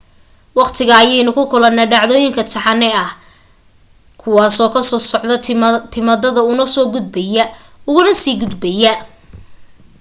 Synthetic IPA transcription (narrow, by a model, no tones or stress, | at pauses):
wɑqt̪ʰɪɣɐːjɛjnʊkʰʊkʰʊlɐnːaːɖɑʕðɔːjɪŋkʰɐt̪ʰɐħɑnːɛɐh | kʰʊwɑːsɔːkʰɐsɔːsɔʕðɐt̪ʰɪmɐðɐðɐʊnɐsɔːɡʊd̪̚bɛjɐ | ʊɣʊnɐsiːɡʊd̪bɛjɐ